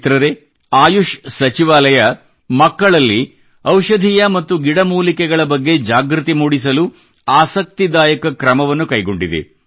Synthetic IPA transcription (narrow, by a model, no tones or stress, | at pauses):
t̪ɾɐɾe | aːjuʃsɐt͡ʃiʋaːlɐjɐ | mɐkːɐɭɐlːi | ɐwʃɐd̪ʱijɐmɐt̪ːuɡiɽɐmuːlikɛɡɐɭɐbɐɡːe̞d͡ʒaːɡɾut̪imuːɽis̬ɐlu | aːsɐk̚t̪id̪aːjɐkɐkɾɐmɐʋɐnːukɐjɡo̞ɳɖid̪ḛ